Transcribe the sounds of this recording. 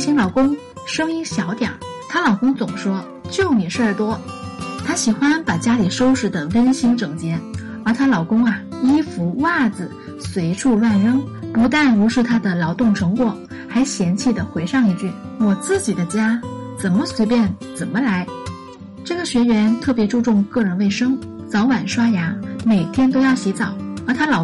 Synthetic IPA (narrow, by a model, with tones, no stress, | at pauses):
ɕi˧˥ŋlɑ˨˩ʊkʊ˥ŋ | ʂɤ˥ŋi˥ɕjɑ˧˥ʊt̪jɑ̰˨˩˦ | t̪ʰa˥lɑ˨˩ʊkʊ˥ŋt͡sʊ˨˩ŋʂwɔ˥ | t͡ɕjo˥˩ʊni˨˩ʂə˞˥˩t̪wɔ˥t̪ʰa˥ɕi˨˩xwa˥npa˨˩t͡ɕja˥li˨˩ʂo˥ʊʂɻ̩˧˩d̪ə˧wə˥nɕi˧˥ŋʈ͡ʂɤ˨˩ŋt͡ɕjɛ˧˥n | ə˞˧˥t̪ʰa˥lɑ˨˩ʊkʊ˥ŋɐ˨ | i˥fu˧˥wa˥˩d͡zɹ̩˨˩ | swe˧˥ɪʈ͡ʂʰu˥˧lwa˥˩nɻɤ˥ŋpu˧˥t̪a˥˩nɻu˧˥ʂɻ̩˥˩t̪ʰa˥d̪ə˨lɑ˧˥ʊt̪ʊ˥˩ŋʈ͡ʂʰɤ˧˥ŋkwɔ˨˩ | xa˧˥ɪɕjɛ˧˥nt͡ɕʰi˥˩d̪ə˩xwe˧˥ɪʂɑ˥˧ŋi˥˧t͡ɕy˥˩ | wɔ˨˩t͡sɹ̩˥˩t͡ɕi˨˩d̪ə˦t͡ɕja˥t͡sə˨˩nmə˦swe˧˥ɪpjɛ˥˩nt͡sə˨˩nmə˦la˧˥ɪ | ʈ͡ʂɤ˥˩ɡə˩ɕɥɛ˧˥ɥɛ˧˥nt̪ʰɤ˥˩pjɛ˧˥ʈ͡ʂu˥˧ʈ͡ʂʊ˥˧ŋkɤ˥˩ɻə˧˥nwe˥˩ɪʂɤ˥ŋt͡sɑ˧˥ʊwa˨˩nʂwa˥ja˧˥me˨˩ɪt̪ʰjɛ˥nt̪̬o˥ʊjɑ˥˩ʊɕi˧˥t͡sɑ˨˩˦ʊə˞˧˥t̪ʰa˥lɑ˨˩